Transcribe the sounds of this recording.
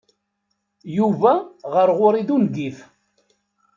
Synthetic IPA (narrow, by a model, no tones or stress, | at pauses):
juvæʁəɾʁʊɾid̪unɡif